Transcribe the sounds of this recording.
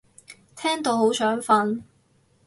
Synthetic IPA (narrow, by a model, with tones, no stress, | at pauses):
t̪ʰɛː˥ŋt̪o˨˧who˨˥wsœː˨˥ŋfɐ˧n